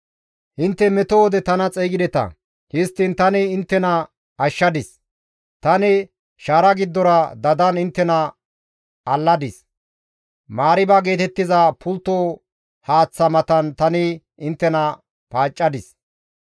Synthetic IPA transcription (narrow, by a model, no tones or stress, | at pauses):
hɪnt̪ːɛmɛt̪owɔd̪ɛt̪ɐnɐt͡sʼɛjɡɪd̪ɛt̪ɐ̰ | hɪst̪ːɪnt̪ɐnɪːnt̪ːɛnɐ | ɐʃːɐd̪ɪs | t̪ɐnɪ | ʃaːɾɐɡɪd̪ːɔɾɐd̪ɐd̪ɐnɪnt̪ːɛnɐ | ɐlːɐd̪ɪs | maːɾɪbɐɡe̞ːt̪ɛt̪ːɪzɐpʰʊlt̪ːo | haːt͡sːɐmɐt̪ɐnt̪ɐnɪ | ɪnt̪ːɛnɐ | paːt͡ʃʼːɐd̪ɪs